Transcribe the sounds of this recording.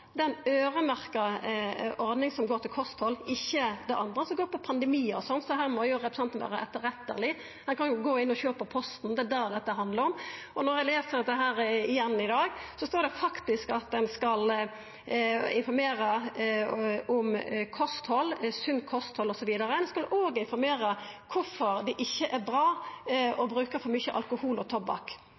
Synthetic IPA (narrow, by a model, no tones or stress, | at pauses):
d̪ɛnøːʁəmæʁkɑ | ʔɔɾd̪nɪŋsɔmɡoːɾt̪ʰɪlkʰɔst̪hɔlːɪçːəd̪ɛʔɑnd̪ɾəsɔmɡoːpʰɔpʰɑnd̪ɛmiːɔsɔnsɔɦæːʁmɔjʊɾɛpɾəsɑnt̪nʋæ̰ːɾəʔɛt̪ːəɾɛt̪ːə̰ʁlɪ | d̪ɛnkɑnjʊɡoːɪnːɔɕøːpəpʰɔst̪n̩d̪ɛd̪æd̪ɛt̪ːəɦɑnd̪ləɾɔm | ɔnɔɾæɪleːsəɾd̪ɛɦæːɾɪjɛnːɪd̪ɑːɡsɔst̪oːɾd̪ɛfɑkt̪ɪskɑt̪̚d̪ɛnskɑl | ɪnfɔɾmeːɾə | ʊmkʰɔst̪hɔlːsʉnkʰɔst̪hɔlːɔsɔʋiːd̪ɑɾəmnɛnskɑloːɡəɪnfɔɾmeːɾəkʰʊfɔɾd̪ɛʔɪçːəʔæɾbɾɑːɔbɾʉːkəfɔɾmʏçəʔɑ̰lkʊhuːlɔt̪ʰɔbɑ̰k